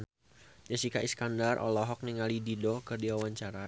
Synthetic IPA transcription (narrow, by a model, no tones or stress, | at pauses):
d͡ʒasikaʔiskandarʔɔ̰lɔɦɔk̚niŋalididɔkɨrdiwawaɲt͡ʃaɾa